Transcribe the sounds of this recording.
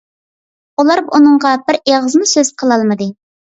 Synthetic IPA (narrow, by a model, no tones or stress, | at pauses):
ulˠɑɾunɨŋʁɑbɪɾeʁəzmusøz̥qʰəlˠɑlˠmɨd̪ɨ